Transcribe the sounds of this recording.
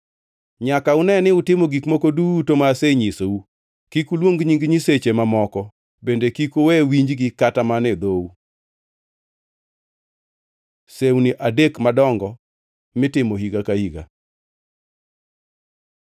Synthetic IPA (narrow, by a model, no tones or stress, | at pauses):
ɲakaʊnɛnɪʊtɪmoɡikmokodutomaseɲisou | kikulwoŋɡɲiŋɡɲiset͡ʃemamɔkɔ | bendekikowɛwiɲd͡ʒɡɪkatamanɛd̪ou | sewniʔadekmadɔŋɡɔ | mɪtɪmohiɡakahiɡa̰